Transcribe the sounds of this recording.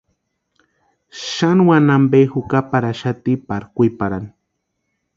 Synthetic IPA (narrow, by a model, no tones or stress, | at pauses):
ʃanwanambejxʊkapaɾaʃat̪ipaɾkʊjpaɾani̥